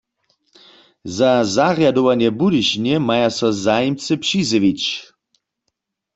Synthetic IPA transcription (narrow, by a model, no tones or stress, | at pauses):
zazarjad̪owanjɛbudiʃnjɛmajasɔzajimt͡sɨpʂizɨʋit͡ɕ